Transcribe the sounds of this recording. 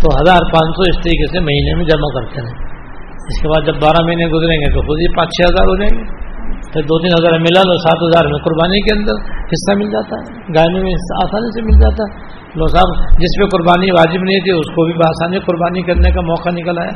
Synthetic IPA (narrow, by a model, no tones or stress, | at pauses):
t̪oɦɐzaːɾpãːt͡ʃsɔɪst̪ɐɾiːkesemɐɦiːnemẽd͡ʒɐmakɐɾt̪eɾɛ̃ː | ɪskebaːd̪d͡ʒɐbːaːɾamɐɦiːnẽɡʊzɾẽːŋɡet̪oxʊd̪ipãːt͡ʃt͡ʃʰɛɦɐzaːɾɦod͡ʒaːeɡeːt̪ɐd̪oːt̪iːnɦɐzaːɾmɪlalɔːsaːt̪ɦɐzaːɾmẽkʊɾbaːnikeɐ̃nd̪əɾhɪsːamɪld͡ʒaːt̪aɦɛ | ɡaːmẽmẽɦɪsaaːsaːnisemɪld͡ʒaːt̪aɦɛ | lɔːsaːbd͡ʒɪspekʊɾbaːniʋaːd͡ʒɪbnɐɦĩt̪ʰiʊskobʱibaːsaːnikʊɾbaːnikɐɾnekamɔːkanɪkəlaːja̰ː